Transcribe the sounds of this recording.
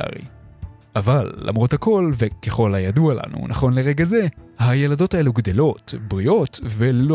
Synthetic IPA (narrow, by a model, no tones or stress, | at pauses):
a̰ʁḭ | ʔavalːa̰mʁo̞thako̞lve̞ke̞χo̞lajaduala̰nṵnʔaχo̞nle̞ʁe̞ɡaze̞haje̞lado̞tae̞luɡd̪e̞lo̞tbʁio̞tve̞lo